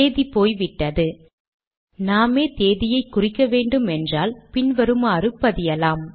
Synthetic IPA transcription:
eːðipoːjʋɪʈːɐðɯ | naːmeːt̪eːðɪjɐɪkːʊrɪkːɐʋeːɳɖɯmɛndraːlpɪnʋɐɾɯmaːɾɯpːɐðɪjɐlaːm

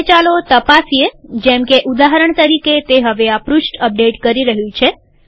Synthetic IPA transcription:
t͡ʃalot̪əpasied͡ʒɛ̃mkeʔud̪aɦəɾəɳt̪əɾiket̪eɦəʋeapɾusʈəp̚ɖeʈkəɾiɾəɦjũt͡ʃʰe

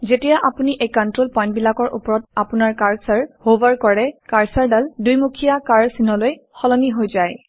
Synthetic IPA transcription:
zetijaʔapuniʔejkɔntɹolpɔjnt̚bilakɔɹʔṵpɔɹɔt̚apunaɹkaɹsaɹhovaɹkɔɹɛkaɹsaɹdaldujmukʰijakaɹsinɔlojxɔlɔniɦojzaj

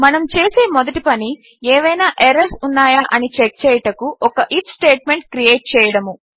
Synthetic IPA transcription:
mɐnɐmt͡ʃeːse̞ːmod̪ɐʈipɐni | eːʋɐjnaːʔeɾɐɾsunːaːjaːʔɐnit͡ʃek̚t͡ʃɛːjɐʈɐkuʔɔkɐʔipʰsʈeːʈ̚meɳʈ̚kɾijeːʈ̚t͡ʃɛːjɐɽɐmu

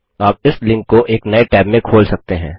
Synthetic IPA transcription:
aːp̚ɪslɪ̃ŋkːoʔeːknɐeʈɛːbmẽkʰoːlsɐk̚t̪eɦɛ̰̃ː

